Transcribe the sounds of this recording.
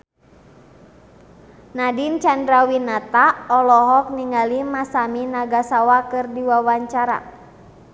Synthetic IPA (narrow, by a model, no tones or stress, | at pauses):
nadint͡ʃandɾawinat̪aɔlɔɦɔk̚niŋalimasaminaɡasawakɨrdiwawaɲt͡ʃaɾa̰